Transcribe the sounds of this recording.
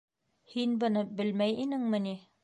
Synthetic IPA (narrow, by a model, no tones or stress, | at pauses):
hinbɤ̆nɤbɘlmæjinɘŋmɘ̆ni